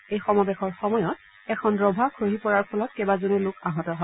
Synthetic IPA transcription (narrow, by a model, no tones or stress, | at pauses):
ejxɔmɔbɛxɔɹxɔmɔjɔt̚ | ɛkʰɔnɹɔbʱakʰɹoɦipɔɹaɹpʰɔlɔt̚kebazonulʊkaɦɔtɔɦɔ